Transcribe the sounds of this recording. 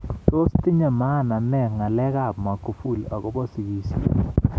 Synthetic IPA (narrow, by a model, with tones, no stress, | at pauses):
to˦sti˦ɲa˨ma˦˨na˨nɛ˦˨ŋa˨lɛ˦ka˨bma˨ku˨fu˦˨la̰˨kɔ˦bɔ˦si˨ɡi˦si˨